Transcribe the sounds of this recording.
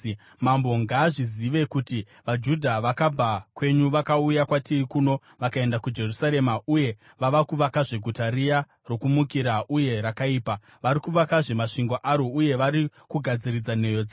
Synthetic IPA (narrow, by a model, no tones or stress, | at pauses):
mambo̞ŋɡaːʐiziʋe̞kuti | ʋad͡ʒudʱaʋakab͡vʱakwe̞ɲuʋakaujakwatirikuno̞ | ʋakae̞ndakud͡ʒe̞rusaɾe̞maʔuje̞ | ʋaʋakuʋakaʐe̞ɡʱutarija | ro̞kumukiɾaʔuje̞ɾakaiːpa | ʋaɾikuʋakaʐe̞maʂiŋɡo̞ʔaɾouje̞ʋaɾikuɡʱad͡zirid͡zane̞jod͡za